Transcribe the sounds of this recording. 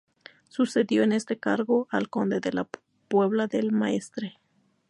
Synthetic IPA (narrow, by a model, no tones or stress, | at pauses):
suse̞ðjo̞e̞ne̞st̪e̞kaɾɣo̞alko̞nd̪e̞ðe̞la | pwe̞βlaðe̞lmae̞st̪ɾe